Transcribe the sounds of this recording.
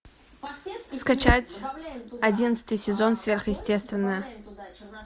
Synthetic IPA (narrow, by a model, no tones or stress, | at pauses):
skat͡ʃʰatʲadʲinət̪sɨ̥t̪ɨjsʲɪzo̞nsvʲerχjɪsʲtʲe̞st̪vʲɪnːə